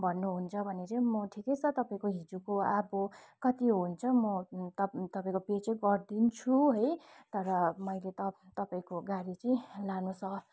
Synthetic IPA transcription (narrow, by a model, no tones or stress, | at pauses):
bʱʌnːuɦunt͡sʰʌbʱʌneɾemʌʈʰikejt͡sʰʌt̪ʌpaĩkoɦid͡zukoabokʌt̪iɦunt͡sʰʌmʌt̪ʌt̪ʌpaĩkopet͡seɡʌrd̪int͡sʰuɦʌjt̪ʌɾʌmʌjlet̪ʌt̪ʌpaĩkoɡaɾit͡sʌĩlanusʌ